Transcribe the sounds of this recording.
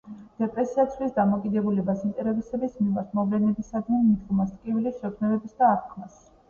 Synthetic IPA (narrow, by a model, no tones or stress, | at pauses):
d̪̥ɛpʼɾɛsiat̪sʰvlisd̪amɔkʼid̪ɛbulɛbasint̪ʼɛɾɛbisɛbismimaɾt̪ʰmɔvlɛnɛbisad̪nɛnmid̪ɡmast̪ʼkʼivilisʃɛkʰnɛbɛbisd̪aːɾkʰmas